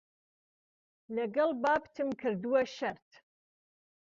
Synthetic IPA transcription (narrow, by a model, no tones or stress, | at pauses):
nɐɡɐlbaːptʰɨmkʰɨrduwɐʃɐrtʰ